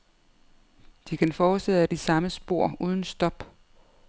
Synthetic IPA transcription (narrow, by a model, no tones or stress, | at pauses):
d̥ikʰænfɒːseðæd̥isɑ̈məsb̥o̝ɐ̰uːð̞ˠn̩sd̥ɒ̽b̥